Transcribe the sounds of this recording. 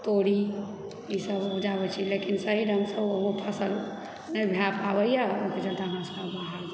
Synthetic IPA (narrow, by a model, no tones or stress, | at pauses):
t̪oɽi | jisəbud͡ʒabɛt͡ʃʰilekinsəɦiɾəŋɡsəboɦopʰəsəl | nəjbʱjapabəjaunked͡ʒəlt̪aɦmasə̥əbəɦal